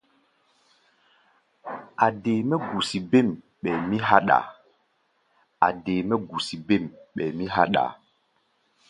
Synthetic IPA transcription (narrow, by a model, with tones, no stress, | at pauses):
a˨de˨me˦ɡu˨si˨be˦˨m | ɓɛ˨mi˦ɦa˦ɗa̰˨ | a̰˨de˨mɛ˦ɡu˨si˨be˦˨mɓɛ˨mi˦ɦa̰˦ɗa̰˨